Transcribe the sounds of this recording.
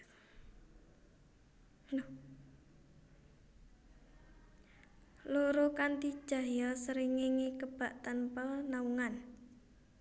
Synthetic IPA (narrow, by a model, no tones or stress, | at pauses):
luɾukant̪id̥ʒ̥ä̤jɔsəɾiŋeŋikəb̥a̤ʔt̪ənpənauŋan